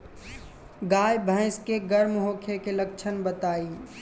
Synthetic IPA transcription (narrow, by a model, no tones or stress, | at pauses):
ɡaːjbʱə̃ɪ̃skeɡəɾmɦoːkʰekelək̚t͡ʃʰənbət̪aːiː